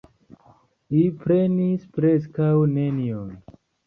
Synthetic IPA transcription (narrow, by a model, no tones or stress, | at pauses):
lipɾe̞nispɾeskawnenion